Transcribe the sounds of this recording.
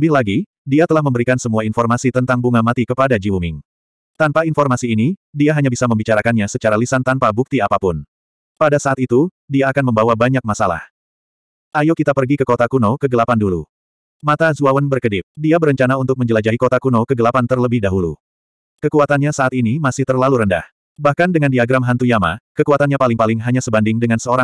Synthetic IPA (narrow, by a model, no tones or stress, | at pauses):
bɪɦlaɡi | diat̪əlahməmbəɾikansəmuainfɔrmasit̪ənt̪aŋbuŋamat̪ikəpadad͡ʒiwumɪŋ | t̪anpainfɔrmasiːnidiaɦaɲabisaməmbit͡ʃaɾakanɲasət͡ʃaɾalisant̪anpabuk̚t̪iapapʊn | padasaːt̪it̪u | diaːkanməmbawabaɲak̚masala̰h | ʔajokit̪apərɡikəkot̪akunokəɡəlapandulṵ | mat̪azuawənbərkədɪp̚diabəɾəɲt͡ʃanaunt̪ʊk̚məɲd͡ʒəlad͡ʒaikot̪akunokəɡəlapant̪ərləbɪhdaɦulṵ | kəkuat̪anɲasaːt̪inimasɪht̪ərlaluɾənda̰h | bahkandəŋandiaɡɾamɦant̪ujama̰kəkuat̪anɲapalɪŋpalɪŋɦaɲasəbandɪŋdəŋansəoɾa